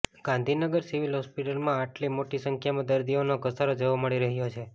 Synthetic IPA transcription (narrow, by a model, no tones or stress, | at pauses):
ɡãnd̪ʱinəɡəɾsiʋilɦɔspiʈəlmãaʈlimoʈisəŋkʰjamãd̪əɾd̪ionokəsaɾod͡ʒoʋoməɭiɾəɦjot͡ʃʰe